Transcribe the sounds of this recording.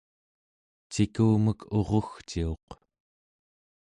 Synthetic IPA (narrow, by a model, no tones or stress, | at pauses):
t͡ʃikuːməkʰo̞ʁo̞xt͡ʃio̞q